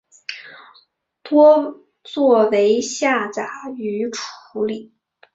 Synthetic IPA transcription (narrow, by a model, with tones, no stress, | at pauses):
t̪wɔ˥ | t͡swɔ˥˩we˧˥ɪɕja˥˩t͡sa˨˩y˧˥ʈ͡ʂʰu̥˧˥li˨˩˦